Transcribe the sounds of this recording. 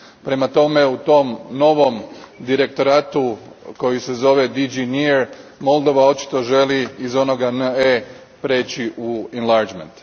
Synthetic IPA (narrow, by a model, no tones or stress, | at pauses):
pɾe̞mat̪o̞me̞ut̪o̞mno̞ʋo̞md̪iɾe̞k̚t̪o̞ɾaːt̪uko̞jise̞zo̞ʋe̞d̪id͡ʒiniɾmo̞lˠd̪o̞ʋao̞t͡ʃi̥t̪o̞ʒe̞liːzo̞no̞ɡanəe | pɾe̞ːt͡ɕiʔuenlˠaɾd͡ʒmḛnt̪